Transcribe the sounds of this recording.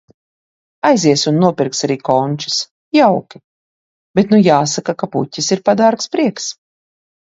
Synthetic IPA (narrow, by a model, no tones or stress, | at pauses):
ajziɛsunːuɔpiɾksaɾiːkɔnʲt͡ʃi̥s | jawkʲi̥ | b̥et̪nujaːsakakapṵtʲːisiɾpad̪aɾkspɾiɛks